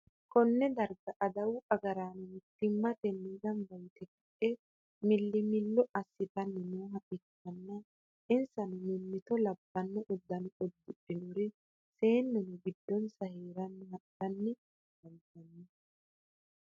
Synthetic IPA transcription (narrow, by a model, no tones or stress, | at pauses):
kɔnːɛd̪ɐɾɡɐʔɐd̪ɐwʊʔɐɡɐɾaːnʊmʊt̪ːɪmːɐt̪ɛniɡ̪ɐmbɐjt̪ɛkɪʔɛ | mɪlːɪmɪlːɔʔɐsːɪt̪ɐnːɛnoːɦɐpɪkːɐnːɐ | ɪnsɐnʊmʊmːɪt̪ɔlɐbːɐnːɔʔʊd̪ːɐnʊɔd̪ːʊʔɪnʊɾɛ | se̞ːnːɛnʊɡɪd̪ːɔnsɐheːɾɐnːʊhɐtːɐnːɛ | ɐnt̪ɐnːɛ